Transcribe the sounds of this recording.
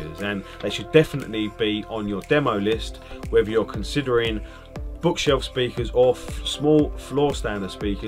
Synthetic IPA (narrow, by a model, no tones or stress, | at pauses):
əzə̃nðeɪʃədɛfənə̰ʔlib̥iə̃njədɛməʊlɪst | wɛðəjəkʰə̃nsɪdəɹɪ̃ŋ | b̥ʊkʃɛlˠfspiˑkʰəzəsmɔːlˠflɔːstãnə̥spiˑkə